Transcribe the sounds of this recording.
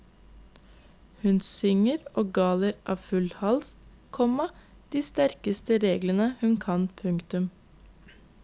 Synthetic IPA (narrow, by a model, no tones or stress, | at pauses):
hʉnsʏŋəɾoːɡɑːləɾʔɑ̰ːʋfʉlhɑlst̪ | kʰɔmɑ | d̪̥iːst̪æɾkəst̪əɾeːɡlənəhʉnkʰɑnpʰʉŋkt̪ʉm